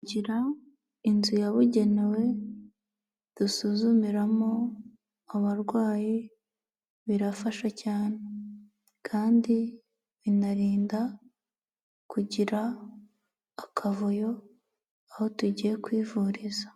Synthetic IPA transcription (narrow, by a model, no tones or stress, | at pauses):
ɟiɾa | inzujaβuɟe̞ne̞we̞ | d̥usuzumiɾamo̞ | aβaɾɡwaːji | βiɾafaʃacaːne̞ | kʰaːndi | βinaɾiːnda | kuɟiɾa | kʰavujo̞ | aho̞tuɟije̞kwiːvuɾiza